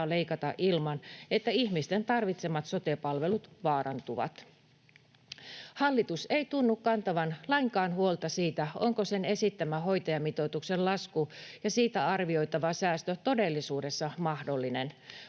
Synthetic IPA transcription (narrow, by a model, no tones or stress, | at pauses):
le̞ikɑt̪ɑʔilmɑnet̪ːæiçmist̪e̞nt̪ɑrʋit̪se̞mːɑt̪so̞t̪epɑlʋe̞lut̪ʋɑːɾʔɑnt̪uʋɑ̰t̪ | hɑlːit̪use̞it̪unːukkːɑnt̪ɑʋɑnlɑiŋkɑːnhuo̞lt̪ɑsiːt̪æoŋkose̞ne̞sit̪ːæmæɦo̞jt̪ɑjɑmit̪o̞t̪uksellɑskujɑsiːt̪æɑrʋio̞jt̪ɑʋɑsæːst̪øt̪o̞de̞lːisuːde̞sːɑmɑhdolːinen